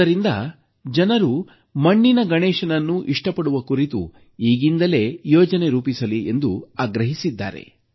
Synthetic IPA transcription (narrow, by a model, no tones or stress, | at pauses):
ɐɾind̪ɐ̰ | d͡ʒɐnɐɾu | mɐɳːinɐɡɐɳɛːʂɐnɐnːuʔiʂʈɐpɐɽuʋɐkuɾit̪ṵ | iːɡind̪ɐle̞ːjɔːd͡ʒɐne̞ɾuːpisɐlie̞̰nd̪uaːɡɾɐɦisid̪ːa̰ːɾḛ